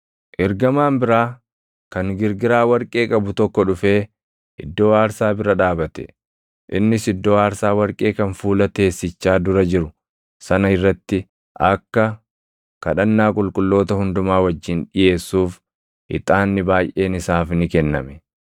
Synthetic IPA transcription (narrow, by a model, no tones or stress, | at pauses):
ʔɪɾɡɐmaːmbɪɾaː | kɐŋɡɪɾɡɪɾaːwɐɾkʼe̞ːkʼɐbʊt̪ɔkːɔᶑʊfe̞ː | ʔɪd̪ːoːaːɾsaːbɪɾɐᶑaːbɐt̪ɛ̥̰ | ʔɪnːɪsɪd̪ːoːaːɾsaːwɐɾkʼe̞ːkɐnfuːlɐt̪e̞ːsːɪt͡ʃːaːd̪ʊɾɐd͡ʒɪɾʊ | sɐnɐɪrːɐt̪ːɪ | ʔɐkːɐ | kɐᶑɐnːaːkʼʊlkʼʊlːo̞ːt̪ɐhʊnd̪ʊmaːwɐd͡ʒːɪnᶑɪje̞ːsːuːf | ɪ̰t̪ʼaːnːɪbaːjʔe̞ːnɪsaːfnɪkɛnːɐ̰mɛ̥